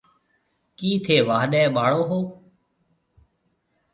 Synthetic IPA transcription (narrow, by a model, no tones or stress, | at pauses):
kiːt̪ʰeːʋaːɦɗɛ̃ːɓaːɽoːɦoː